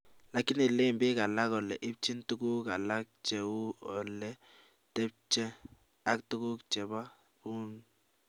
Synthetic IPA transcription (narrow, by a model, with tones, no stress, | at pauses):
la˨kːi˦nɪ˨le˦˨mbɪ˦ka˨la˦kɔ˨lɛ̰˨ʔɪ˦p̚t͡ʃi˦ntu˦ɡu˦ka˨la˦k̚t͡ʃɛ˨u˦ɔ˨lːɛ˦ | tɛ˦p̚t͡ʃɛ˦ | a˦ktu˦ku˦kt͡ʃɛ˨ba˦ | bu˦n